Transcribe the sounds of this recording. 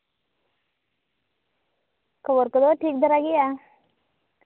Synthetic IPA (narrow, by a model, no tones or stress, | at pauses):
kəboɾkəd̪oʈʰiːk̚d̪əɾaɡija